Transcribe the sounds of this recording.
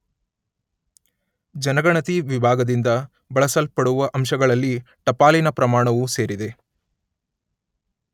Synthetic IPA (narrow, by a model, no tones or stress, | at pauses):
d͡ʒɐnɐɡɐɳɐt̪iʋibʱaːɡɐd̪ind̪ɐ | bɐɭɐsɐlpɐɽuʋɐʔɐmʃɐɡɐɭɐlːi | ʈɐpaːlinɐpɾɐmaːɳɐʋuse̞ːɾid̪e̞